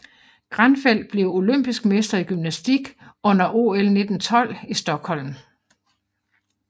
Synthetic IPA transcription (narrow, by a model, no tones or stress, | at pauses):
ɡ̥ʁanfel̰̥̚b̥le̝ʊo̝løm̰b̥isɡ̥mesd̥ɐiɡ̥ymnæsd̥iɡ̥ɔ̽n̰ɐʔo̝ːelne̝d̥n̩t͡sʰɒ̽l̰isd̥ɒ̽ɡ̥hɒ̽l̰m̩